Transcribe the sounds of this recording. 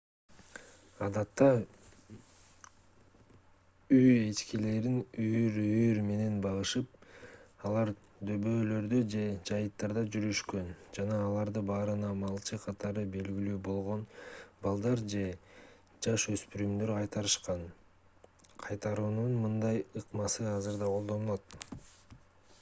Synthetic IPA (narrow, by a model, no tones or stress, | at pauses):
ɑd̪ɑt̪ːɑ | yjet͡ʃkile̞ɾinyjɾyjyɾme̞ne̞nbɑʁɯʃɯp̚ | ɑlˠɑɾ | d̪ø̞βø̞ːlø̞ɾd̪ød͡ʒe̞d͡ʒɑjɯt̪ːɑɾd̪ɑd͡ʒyɾyʃkø̞nd͡ʒɑnɑːlˠɑɾd̪ɯbɑːɾɯnɑmɑlˠt͡ʃɯqʰɑt̪ʰɑɾɯbe̞lɡʲilyːbo̞lˠʁo̞nbɑlˠd̪ɑɾd͡ʒe̞ | d͡ʒɑʃø̞spyɾymd̪øɾqʰɑjt̪ɑɾɯʃqɑn | qʰɑjt̪ɑɾuːnunmɯnd̪ɑjɯqmɑsɯɑzɯɾd̪ɑqʰo̞lˠd̪o̞nulˠot̪̚